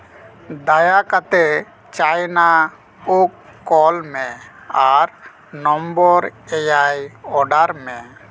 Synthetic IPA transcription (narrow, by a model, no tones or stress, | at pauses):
d̪ajakat̪e | t͡ʃajna | ukːɔlmɛ̃aɾ | nɔmbɔɾɛjajɔɖaɾmɛ̃